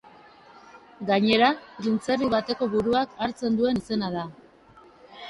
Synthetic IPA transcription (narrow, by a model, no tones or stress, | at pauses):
ɡaɲe̞ɾaɾint͡seriβat̪e̞ko̞βuɾuakaɾt͡se̞nd̪ue̞nise̞naða